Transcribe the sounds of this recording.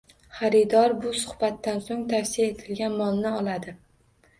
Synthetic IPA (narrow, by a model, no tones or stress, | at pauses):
χaɾɪd̪ɒɾbʊsʊhbat̪ːansoŋt̪ʰafsɪjae̞t̪ʰɪlɡʲanmɒlˠnɪɒlˠad̪ɪ